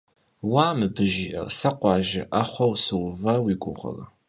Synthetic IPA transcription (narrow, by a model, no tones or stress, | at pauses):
waːmɨbɨʒiːʔɐ̰rsɐqʷʼɑːʒɪʔaχʷɐwsɨwvɐwiɡʷʊʁʷɐ̰lɐ